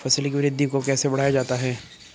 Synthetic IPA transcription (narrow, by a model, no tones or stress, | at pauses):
fɐsəlkiɾɪd̪ːikokɛːsebɐɽ̤aːjad͡ʒaːt̪aɦɛː